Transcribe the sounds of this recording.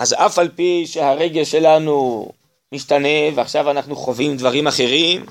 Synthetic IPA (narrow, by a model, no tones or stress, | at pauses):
ʔazafalpiʃehaʁe̞ɡelʃe̞lanu | miʃtane̞veaχʃavanaχnuχo̞vimd̪vaʁimaχe̞ʁim